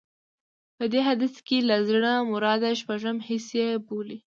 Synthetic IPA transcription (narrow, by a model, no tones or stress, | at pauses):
pəd̪eɦad̪əskelazɽamʊɾɑd̪aʃpaʒəmhɪsjeboli